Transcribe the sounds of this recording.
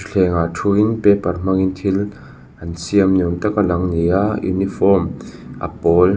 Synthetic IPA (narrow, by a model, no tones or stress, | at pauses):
ɬʰɛŋatʰuinpɛparm̥aŋint̪ʰil | ʔansiəmnunt̪akalaŋnijaṵnifɔmʔa̰pɔl